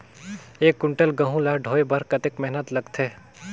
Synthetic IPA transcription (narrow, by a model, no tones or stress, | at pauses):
eːkːʊɳʈəlɡɐ̃ɦũlaɖʱoːebɐɾkɐt̪ekmɛɦnət̪lɐɡt̪ʰeː